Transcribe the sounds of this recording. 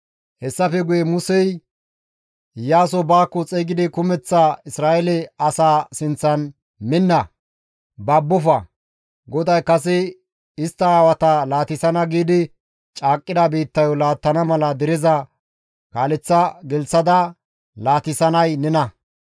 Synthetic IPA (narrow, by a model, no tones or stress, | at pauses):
hɛsːɐfɛɡʊjɛmʊsɛj | jaːs̬ɔbaːkːɔt͡sʼɛːɡɪd̪ɪkʊmɛt͡sːaɪsɾaːʔɛlɛɐsaːsɪnt͡sːɐn | mɪnːɐ | baːbːʊfɐ | ɡɔd̪ɐjkɐs̬ɛ | ɪst̪ːɐaːwɐt̪ɐlaːt̪ɪsɐnɐɡiːd̪ɪ | t͡ʃʼaːkʼːɪd̪ɐbiːt̪ːɐjɔlaːt̪ːɐnɐmɐlɐd̪ɛɾɛzɐ | kaːlɛt͡sːɐɡɛlt͡sːɐd̪ɐ | laːt̪ɪsɐnɐjnɛnɐ